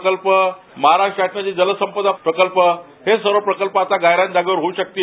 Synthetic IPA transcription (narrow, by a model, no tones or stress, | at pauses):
kəlpə | məɦaɾaʂʈɾaʈɳat͡ɕid͡zələsəmpəd̪apɾəkəlpə | hesəɾəpɾəkəlpəat̪aɡajɾãnd͡ʑaɡəʋəɾɦouɕək̚t̪i